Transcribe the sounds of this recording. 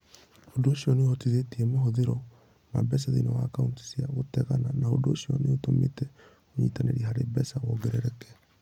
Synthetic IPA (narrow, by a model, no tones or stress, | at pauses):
odooʃiɔneɔtiðetiɛmaɦoðeɾɔ | ma̰bɛs̬aðḭnɔwaːkaunti̥siaɣotɛɣananao̰doʃiɔ̰neotomḛtɛ | oɲiːtaneɾiɦaɾebɛsawɔɡɛɾɛɾɛkɛ̥